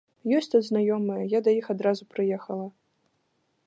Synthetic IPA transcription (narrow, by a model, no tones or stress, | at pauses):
jɔsʲt̪ɐd̪znajɔmɨjɐjad̪ɐjixad̪ɾazupɾɨjɛxɐlˠɐ